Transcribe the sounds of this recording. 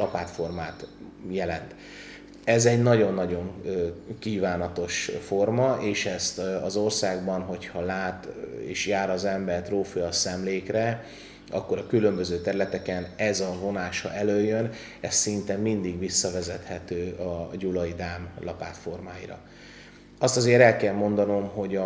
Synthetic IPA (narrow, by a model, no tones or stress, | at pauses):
lɒpaːt̪fo̞rmaːt̪ | jɛlɛnt̪ | ɛzɛɟnɒɟo̞nːɒɟo̞ŋkiːvaːnɒt̪o̞ʃfo̞rmɒʔeːʃɛst̪ɒzo̞rsaːɡbɒnɦo̞chɒlaːt̪ḛːʃjaːɾɒzɛmbɛrt̪roːfujɒsɛmleːkrɛ | ɒ̰kːo̞ɾɒkylø̞mbøzøːt̪ɛɾylɛt̪ɛkɛnɛzɒvo̞naːʃhɒ̰ʔɛløːjːøn | ɛst̪ːint̪ɛmːind̪iɡʋisːɒvɛzɛt̪hɛt̪øːɒɟulɒid̪aːmlɒpaːt̪fo̞rmaːjḭɾɒ̰ | ɒst̪ɒzeːɾɛlkɛlmo̞nd̪ɒno̞mɦo̞ɟɒ